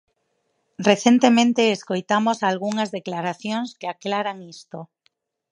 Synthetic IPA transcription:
reθje̞nt̪emẽnt̪eːskojt̪amosalɣ̞uŋazðe̞klaɾaθjoŋskeaklaɾaŋist̪o

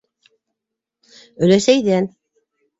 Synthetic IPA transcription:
ɵ̆læsæjd̪æn

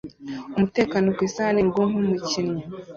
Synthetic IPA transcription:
umute̞ːkanokwisaleɾɡonomucinɲa

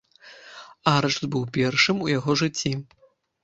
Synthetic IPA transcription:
aɾɐʂt̪bɨwpʲɛrʂɨmujaɣɔʐɨt͡sʲːi

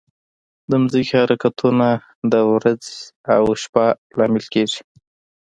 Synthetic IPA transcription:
d̪əmzəkihaɾakat̪ʰuna | d̪əwɾad͡zawʃpa | lɑmɪlkeʐi̥

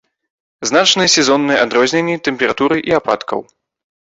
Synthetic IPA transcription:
znat͡ʂnɨsʲɛzɔnːɨjɛad̪ɾɔzʲnʲenʲːit̪ɛmʲpʲɛɾat̪uɾɨʔiapa̰t̪kʰɐ̰w

